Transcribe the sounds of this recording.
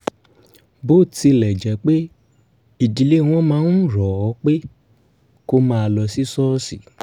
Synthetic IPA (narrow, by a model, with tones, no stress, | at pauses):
bo˦˨ti˧lɛ˨d͡ʒɛ˨˦k͡pe˦ | i˨di˨le˨˦˧w̃ɔ̃˦mãː˦n˦˨ɾɔ˨ɔ˨˦k͡pe˦ | ko˦mãː˦˧lɔ˧si˦sɔ˦si˨